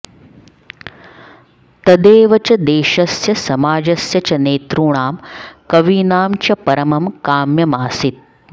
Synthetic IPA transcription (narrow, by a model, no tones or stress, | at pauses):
t̪ɐd̪eːʋɐt͡ʃɐd̪eːʃɐsjɐsɐmaːd͡ʒɐsjɐt͡ʃɐneːt̪ɾuːɳaːmkɐʋiːnaːmt͡ʃɐpɐɾɐmɐmkaːmjɐmaːsit̪̚